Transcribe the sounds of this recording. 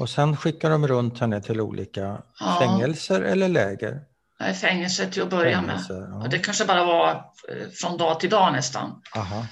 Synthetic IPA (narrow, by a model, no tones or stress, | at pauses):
ɔsɛnɧɪkːaɖɔmɾɵnt̪hɛnːət̪ʰɪlṵːlʔḭːkaɑfːɛŋːɛlsəɾɛ̰lːəɭɛːɡə̰ɾ | ɛfɛŋːəlsəʈʰɪlɔbœɾjamɛ̰əɔd̪ɛkʰanʂəbɑːɾava | fɾɔnd̪ɑːt̪ʰɪld̪ɑːnɛst̪a̰naɦa